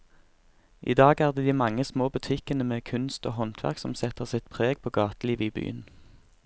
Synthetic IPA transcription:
ʔḭːd̪ɑːɡæːʁd̪eːd̪iːmɑŋːəsmoːbʉt̪ʰɪkənəmeːkʰʉnst̪o̰ːɦɔnt̪ʰʋæ̰ʁksɔmsɛt̪əʁsɪt̪pʰʁeːɡ̚pʰoːɡɑːt̪əliːʋəiːby̰ːən

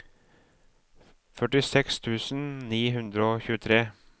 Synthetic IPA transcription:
fœʈɪsɛkst̪ʰʉːsn̩niːɦʉnd̪ɾəoːçʉːt̪ʰɾeː

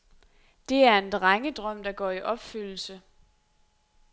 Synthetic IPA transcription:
d̥e̝æɐe̝nd̥ʁaŋəd̥ʁɶm̰d̥ɑ̈ɡ̥ɒ̰ːiʔɒ̽b̥fyl̰l̩sə

